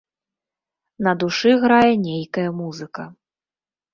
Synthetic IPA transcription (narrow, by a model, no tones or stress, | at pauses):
nɐd̪uʂɨɣɾajɛnʲejkɐjɐmuzɨkɐ